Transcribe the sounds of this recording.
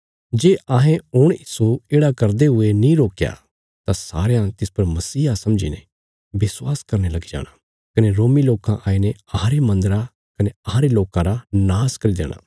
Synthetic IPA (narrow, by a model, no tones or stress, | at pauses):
d͡ʒeːʔaɦẽʊɽ̃jiːsueːɽakɐɾd̪eɦʊenĩɾoːkja̰ | t̪asa̰ːɾejãt̪ɪspɐɾmɐsiːasɐmd͡ʒḭnḛ | bɪswaːskɐɾnelɐɡid͡ʒa̰ːɽ̃a | kɐneɾoːmiloːkãʔaːineɐɦãɾemɐ̃nd̪əɾa | kɐneɐɦãɾeloːkãɾanaːskɐɾid̪ḛːɽ̃ʔa̰ː